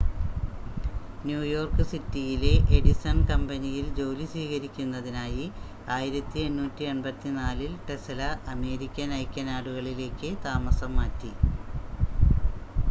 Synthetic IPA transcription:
njuːjo̞ːrkɨsitːijile̞ʔeɽisɐnkɐmbɐnijild͡ʑowlisiːɣɐɾikʲːunːɐðinaːji | aːjiɾɐt̪ːienːuːtːieɳbɐt̪ːinaːlilʈe̞sɐlɐʔɐme̞ːɾikʲːɐnɐjkʲːɐnaːɽuɣɐɭile̞ːkːɨt̪aːmɐsɐmːaːtːi

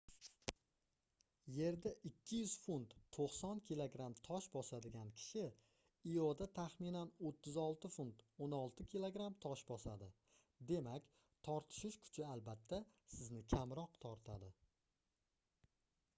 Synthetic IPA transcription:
je̞ɾd̪aʔɪkʲʰːɪjʏz̥fʊnt̪ːʰoqsɒnkʲʰilˠoɡɾamt̪ʰɒʃbɒsad̪ɪɡʲankʲʰɪ̥ʃɪ | ijod̪at̪ʰaχmɪnanot̪ʰːɪzɒlˠt̪ɪfunt̪onɒlˠt̪ʰɪkʲʰilˠoɡɾamt̪ʰɒʃbɒsad̪ɪ | d̪e̞makʲ | t̪ʰɒɾt̪ʰɪ̥ʃɪʃkʰʊ̥t͡ʃʰɪalˠbat̪ʰːasɪznɪkʲʰamɾɒqt̪ʰɒɾt̪ʰad̪ɪ

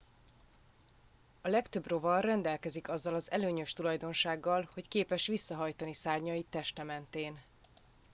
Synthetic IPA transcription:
ɒlɛkt̪ø̞bro̞vɒrɛnd̪ɛlkɛzikɒzːɒlɒzɛløːɲø̞ʃt̪ulɒjd̪o̞nʃaːɡːɒlho̞ckeːpɛʃʋisːɒɦɒjt̪ɒnisaːrɲɒjit̪ːɛʃt̪ɛmɛnt̪eːn

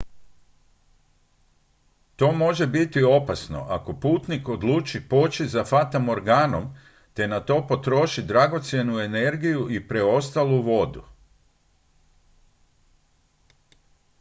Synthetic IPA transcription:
t̪o̞ːmo̞ʒe̞bit̪io̞pasno̞̰ʔako̞puːt̪niko̞d̪luːt͡ʃipot͡ʃizafat̪amo̞ɾɡaːno̞m | t̪e̞nat̪o̞ːpo̞t̪ɾo̞ʃid̪ɾaɡo̞t̪sje̞nue̞ne̞ɾɡijuipɾe̞o̞st̪aluʋo̞d̪ṵ

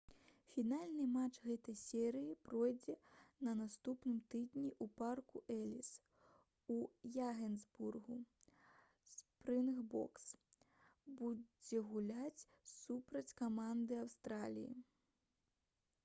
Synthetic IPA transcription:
fʲinalʲnɨmat͡ʂɣɛt̪ɐjsʲɛɾɨjipɾɔjd͡zʲɛnɐnast̪upnɨmt̪ɨd̪nʲiʔuparkuʔɛlʲis | ujaɣʲɛnzburɣu | spɾɨnxbɔ̰ks | bud͡zʲɛɣulʲat͡sʲ | supɾɐt͡sʲkamand̪ɨawst̪ɾalʲḭjḭ

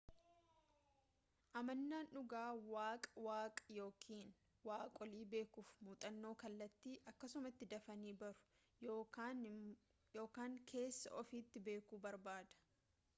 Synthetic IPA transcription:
ʔɐmɐnːaːnʔʊɡaːwaːkʼɐwaːkʼɐ̥jo̞ːkʰiːn | waːkʼɔliːbe̞ːkuːfmuːt̪ʼɐnːo̞ːkɐlːɐt̪ːiːʔɐkːɐsʊmɐt̪ːɪd̪ɐfɐniːbɐɾʊ̥ | oːn | jo̞ːkaːŋkʰe̞ːsːɐ̰ʔɔfiːt̪ːɪbe̞ːkuːbɐɾbaːd̪ɐ̥

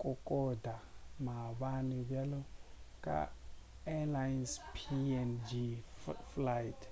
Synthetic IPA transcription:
kʼukʼɔdamaβaniβjalukʼa̰ | ɛlajnspʰiɛnd͡ʒiflajtʰ

